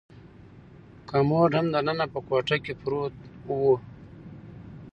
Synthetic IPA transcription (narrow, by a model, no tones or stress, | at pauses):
kamoːɖʱɐmd̪ɐnənapəkwaʈakepɾoːt̪̚wo